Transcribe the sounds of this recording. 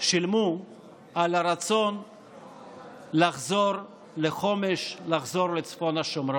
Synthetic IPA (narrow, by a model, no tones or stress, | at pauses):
ʃilmu | alaɾat͡so̞n | laχzoɾ | leχo̞meʃlaχzo̞ɾlet͡sfo̞naʃomɾ